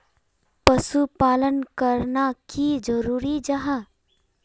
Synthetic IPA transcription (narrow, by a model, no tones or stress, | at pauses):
pəsupaːlənkəɾnakid͡ʒəɾuːɾid͡ʒəɦə